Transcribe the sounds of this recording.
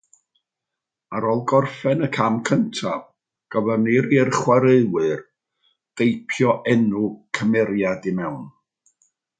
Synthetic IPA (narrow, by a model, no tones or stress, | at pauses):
aɾɔlˠɡɔrfɛnəkʰamkʰəntʰav̥ | ɡ̥əvɛrneɾirχwaɾeɨwɨr | d̥ejpʰjɔʔɛnukʰəmɛɾjadɪmɛwn